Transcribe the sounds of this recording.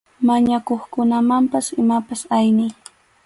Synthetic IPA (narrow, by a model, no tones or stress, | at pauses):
maɲakoχkʊnamampasɪmapasajnɪj